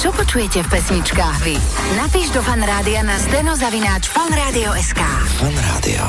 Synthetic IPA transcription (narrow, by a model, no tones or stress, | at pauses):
t͡ʃɔpɔt͡ʃujɛcɛfpɛsɲit͡ʃkaːɣʋi | napiːʒd̪ɔfanɾaːd̪ianazd̪ɛnɔzaʋinaːt͡ʃfanɾaːd̪iɔɛskaːanɾa̰ːd̪ḭɔ̰